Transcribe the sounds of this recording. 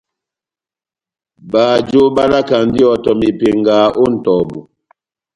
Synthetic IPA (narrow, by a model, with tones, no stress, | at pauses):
ba˨d͡ʒo˦ba˦na˦ka˨n˦di˦ɔ˨tɔ˨mi˨pe˨ŋɡaː˨˦ʔo˦n̩˨tɔ˨bu˨